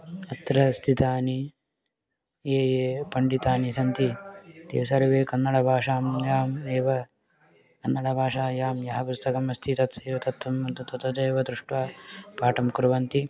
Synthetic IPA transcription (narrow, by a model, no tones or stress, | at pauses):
ɐt̪ɾɐst̪ʰit̪aːni | eːjeːpɐɳɖit̪aːnisɐnt̪it̪ḛːsɐɾɐʋeːkɐnːɐɽɐbʱaːʂaːmjaːmeːʋɐ | kɐnːɐɽɐbʱaːʂaːjaːmjɐɦɐpust̪ɐkɐmɐst̪ʰit̪ɐt̪sɐːʋɐt̪ɐt̪ʋɐmɐt̪ut̪ɐt̪ɐd͡ʒɐjːʋɐd̪ɾuʂʈʋaːpaːʈɐmkɾuʋɐnt̪i